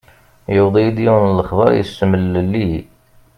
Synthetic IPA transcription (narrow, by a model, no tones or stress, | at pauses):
jəwd̪ˤijd̪juwnləχðˤɑ̰ɾˤjə̰səməllːi